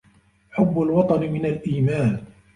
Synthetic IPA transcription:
ħʊbːʊlwɑt̪ˤɑnɪmɪnalʔiːmaːn

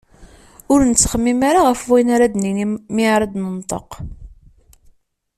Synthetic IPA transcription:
ʊɾnət͡sːχəmːimaɾaʁəfwinaɾad̪nimiʕɾˤɑd̪nənt̪ˤə̰q

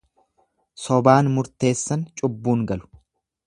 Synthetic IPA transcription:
sɔbaːnmʊɾt̪e̞ːsːɐnt͡ʃʼʊbːuːŋɡɐlʊ̥

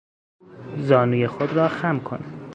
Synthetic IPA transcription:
zɒːnuːjexod̪ɾɒːxæmkʰo̰næ̥

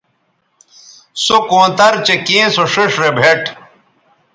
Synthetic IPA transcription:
sokõːt̪ɐɾt͡ɕekẽːsoʂiʂɾebʱeʈ

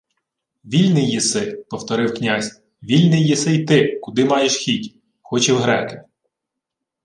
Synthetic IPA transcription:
ʋʲilʲnɪjːɪsɪpɔwt̪ɔɾɪwknʲazʲ | ʋʲilʲnɪjːisɪjt̪ɪkʊd̪ɪmɑjeʃxʲitʲ | xɔt͡ʃɛwɦɾɛkɪ

